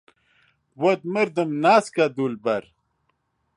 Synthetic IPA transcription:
wɐd̪̚məɾd̪əmnaːskad̪ulbɐɾ

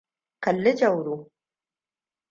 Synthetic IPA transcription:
kalːəd͡ʒawɾu

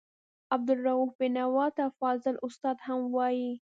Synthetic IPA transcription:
ab̚d̪ʊlɾawufbɪnawɑt̪afɑzɪlʔʊst̪ɑd̪hamwɑji

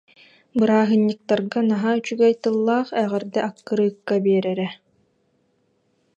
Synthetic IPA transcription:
bɯɾaːɦɯnːɯk̚t̪aɾɡanaɦayt͡ɕyɡɛjt̪ɯlˠːaːχɛʁɛɾd̪ɛʔakːɯɾɯːkːabiɛɾɛɾɛ

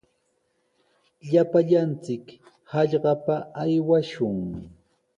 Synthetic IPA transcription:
ʎapaʎant͡sɪk | hɑʎɢɑpaajwaʃʊŋ

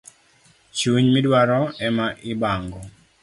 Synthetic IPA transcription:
t͡ʃuɲmidwaɾɔɛmaʔɪbaŋɡɔ

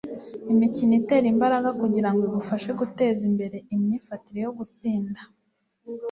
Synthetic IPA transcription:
imicinite̞ːɾimbaɾaɡakuɟiɾaŋɡoiβufaʃe̞ɡute̞ːzimbe̞ɾe̞imɲiːfatiɾe̞jo̞ɡut͡siːnda

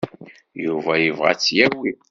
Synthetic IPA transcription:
juvæjəvʁa̰t͡sːjæwi

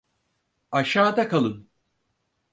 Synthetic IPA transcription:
aʃaːd̪akʰalˠɯn

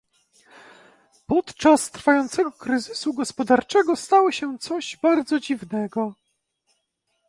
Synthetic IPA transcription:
pɔt̪t͡ʂast̪ɾfajɔnt̪sɛɡɔkɾɘzɘsuɡɔspɔd̪aɾt͡ʂɛɡɔst̪awɔɕɛt̪sɔʑbaɾd̪zɔd͡ʑivnɛɡɔ

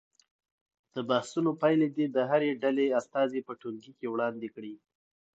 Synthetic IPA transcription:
d̪̥əbahsunopajled̪id̪əɦaɾeɖaleast̪ɑzepəʈulɡikewɽɑnd̪ekɽi

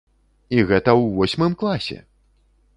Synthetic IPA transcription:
iɣɛt̪ɐwvɔsʲmɨmklˠasʲɛ̰

